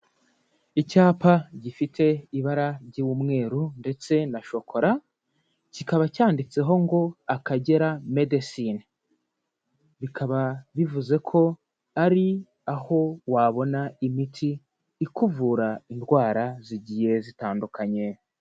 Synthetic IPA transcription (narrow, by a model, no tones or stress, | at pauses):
icaːpaɟifitʰe̞iβaɾaɾɟiβumŋe̞ːɾunde̞t͡se̞naʃo̞kʰo̞ɾa | cikaβacaːndit͡se̞ɦo̞ŋɡo̞akaɟe̞ɾame̞desin | βikʰaβaβivuze̞kʰo̞ | aɾi | aho̞waβo̞naimitʰiː | kuvuɾaindɡwaːɾaziɟije̞zitaːndukaɲe̞